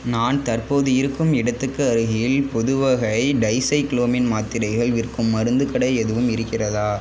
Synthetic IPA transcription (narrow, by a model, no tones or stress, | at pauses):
naːnt̪ɐrpoːðɯɪɾɯkːɯmɪɽɐt̪ːɯkːɯɐɾɯɣɪjɪlpɔðɯʋɐɣɐɪɖɐɪsɐɪkɪloːmɪnmaːt̪ːɪɾɐɪɣɐɭʋɪrkːɯmːɐɾɯnd̪ɯkɐɽɐɪɛðɯʋɯmɪɾɯkːɪrɐðaː